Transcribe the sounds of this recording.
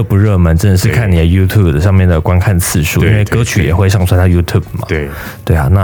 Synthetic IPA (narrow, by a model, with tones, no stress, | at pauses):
pu˧˦ɻɤ˥˩mə˧˦nʈ͡ʂə˥nə˨˦ʂɻ̩˥˧kʰa˥˩ni˨˩d̪ə˦ju˥t̪ʰu˥˩bd̪ə˩ʂɑ˥˧ŋmjɛ˥˩nd̪ə˩kwa˥nkʰa˥˧nt͡sʰɹ̩˥˧ʂṵ˥˨i˥nwe˥˩ɪkɤ˧˥t͡ɕʰy˨˥jɛ̰˨˩xwe˥˧ɪʂɑ˥˩ŋt͡sʰwa˥nʰa˥˩ju˥t̪ʰju˥˩b̥mɐ̰˩˥˩ | t̪we˥˩ɪɐ̰˩na˥˧